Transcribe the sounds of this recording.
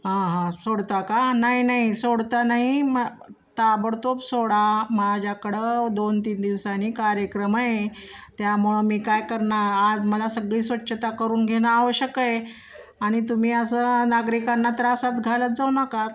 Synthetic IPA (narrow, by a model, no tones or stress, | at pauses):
ɦãɦãsoɽt̪akanaɦinaɦisoɽt̪anaɦim | t̪abəɽt̪opsoɽamad͡ʑʱjakəɽəd̪ont̪iːnd̪iʋsaniːkaɾjəkɾəmaɦe | t̪jamuɭəmiːkajkəɾɳaad͡zməlasəɡɭiːsʋətːɕət̪akəɾuːnɡʱeɽ̃aːʋəɕəkəe | aɽ̃it̪̬um̤iːəsənaɡɾikanːat̪ɾasat̪ɡʱalət̪̚d͡zawnaka